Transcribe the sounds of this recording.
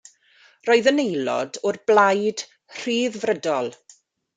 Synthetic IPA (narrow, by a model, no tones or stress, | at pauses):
roːɨðənejlɔ̰dʊrblajd̥ | r̥iːðvrədɔlˠ